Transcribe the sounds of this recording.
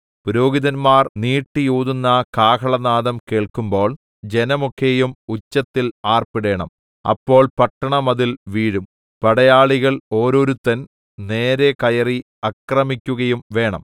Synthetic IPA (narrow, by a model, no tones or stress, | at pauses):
puɾoːɡiðɐnmaːrniːʈːijuːðunːɐkaːkʰɐɭɐnaːðɐmke̞ːɭkumbo̞ːɭ | d͡ʑe̞nɐmokʰːejumut͡ɕːɐt̪ːilaːrpiɽe̞ːɳɐ̰m | ɐ̰pːo̞ːɭpɐʈːɐɳɐmɐðilʋiːɻum | pɐɽɐjaːɭiɣɐɭo̞ːɾo̞ːɾut̪ːɐn | ne̞ːɾe̞kɐjɐri | ɐkrɐmikʲːuɣɐjumʋe̞ːɳɐ̰m